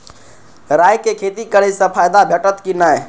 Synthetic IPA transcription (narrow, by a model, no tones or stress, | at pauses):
ɾaːjkekʰeːt̪ikəɽesɐ̃pʰaːjd̪abʱeʈət̪kinaːe